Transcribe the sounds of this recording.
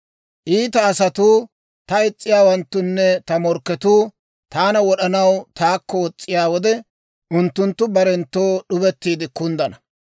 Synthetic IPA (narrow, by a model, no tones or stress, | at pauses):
ʔiːt̪ɐːsɐt̪uː | t̪ɐɪt͡sʼːɪjaːwɐnt̪ːʊnːɛt̪ɐmɔɾkːɛt̪uː | t̪aːnɐwɔɗɐnɐwt̪aːkːɔwɔt͡sʼːɪjaːwɔd̪ɛ | ʔʊnt̪ːʊnt̪ːʊbɐɾɛnt̪ːoːɗʊbɛt̪ːiːd̪ɪkʊnd̪ɐnɐ